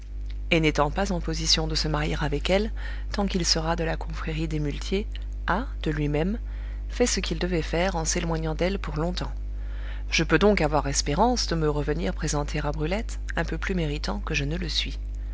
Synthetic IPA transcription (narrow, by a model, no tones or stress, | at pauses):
enet̪ɑ̃pazɑ̃pɔzisjɔ̃d̪əsəmaʁjeʁavɛkɛl | t̪ɑ̃kilsəʁad̪əlakʰɔ̃fχeʁid̪emylt̪ʰje | a | d̪̥əlɥimɛm | fɛsəkild̪əvɛfɛʁɑ̃selwaɲɑ̃d̪ɛlpuʁlɔ̃t̪ɑ̃ | ʒ̥əpød̪ɔ̃kavwaʁɛspeʁɑ̃sd̪əməʁəvəniʁpχezɑ̃t̪ʰeabʁylɛt̪ | ɛ̃pøplymeʁit̪ɑ̃kəʒənələsɥi